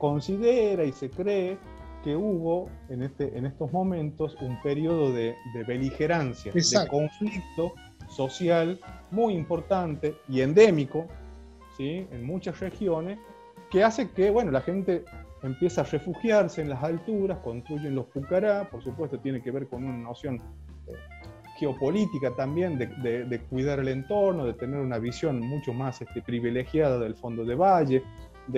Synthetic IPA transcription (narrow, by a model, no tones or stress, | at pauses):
ko̞nsiðeɾaise̞kɾeː | keuβo̞enest̪eʔenest̪ozmo̞mẽ̞nt̪o̞sumpeɾioðo̞ðeðeβelixeɾansja̰sdko̞ɱflik̚t̪o̞ | so̞sjalmujimpo̞ɾt̪ant̪e̞iend̪e̞miko̞ | siḛnmut͡ʃasrexjo̞nes | kease̞keβwe̞no̞laxe̞nt̪eempje̞saːrefuxjaɾseːnlasalt̪uɾaskõ̞nt̪ɾuʒenlo̞spukaɾapoɾsupwe̞st̪ot̪jenekeβe̞ɾko̞nunano̞sjo̞n | ḛ | xeo̞po̞lit̪ikat̪ambje̞nd̪ed̪ed̪ekwiðaɾelent̪o̞ɾnoðe̞t̪eneɾunaβisjo̞nmut͡ʃomasest̪epɾiβilexjaðaðe̞lfo̞nd̪o̞ð̞eβaʒe | d̪